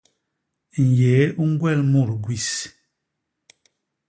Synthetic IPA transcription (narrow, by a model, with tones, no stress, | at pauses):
n̩˨jɛ˨˦u˦ŋ˦ɡwɛ˦˨lmu˦˨ɾɡwi˨s